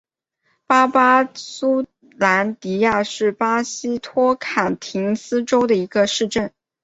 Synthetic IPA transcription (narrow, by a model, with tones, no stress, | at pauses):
pa˥pa˥su˥ | la˧˥nt̪i˧˥ja˥˧ʂɻ̩˥˩pa˥ɕi˥t̪ʰwɔ˥kʰa˨˩nt̪ʰi˧˥ŋsɹ̩˥ʈ͡ʂo˥ʊd̪ə˨i˧˥ɡə˧ʂɻ̩˥˧ʈ͡ʂə˥˩n